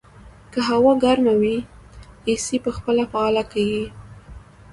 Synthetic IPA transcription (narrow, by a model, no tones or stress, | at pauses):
kəɦawɑɡaɾmawi | esipəxpəlafaɑlakawi